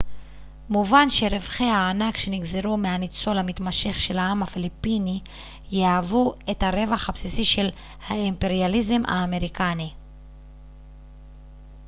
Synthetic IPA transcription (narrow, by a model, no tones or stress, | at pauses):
muvanʃe̞ɾevχehaːnakʃe̞niɡzeʁumeanit͡so̞lhamit̪maʃe̞χʃe̞laamhafilipini | jeavue̞thaʁe̞vaχhapsisiʃe̞l | haimpe̞ʁjalize̞mʔa̰ːme̞ʁikani